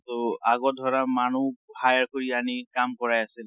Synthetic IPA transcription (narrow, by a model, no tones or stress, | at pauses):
tɔaɡɔdʱɔɹamanuhajaɹkoɹianikamkɔɹajasil